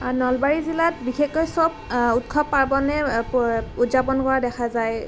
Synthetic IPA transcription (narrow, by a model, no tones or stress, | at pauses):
nɔlbaɹizilat̚bixekːɔjsɔb̚utkʰɔppːaɹbɔnɛ | utzapɔnkɔɹadɛkʰazaj